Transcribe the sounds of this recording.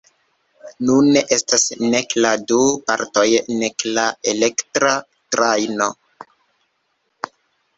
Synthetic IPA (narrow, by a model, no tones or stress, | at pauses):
nunːeʔe̞stasnekladupa̰ɾto̞jneklaelektɾa | tɾajno̞̰